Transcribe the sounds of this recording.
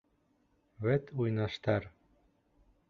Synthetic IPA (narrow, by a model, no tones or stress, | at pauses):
βɘt̪ujnɑʃt̪ɑɾ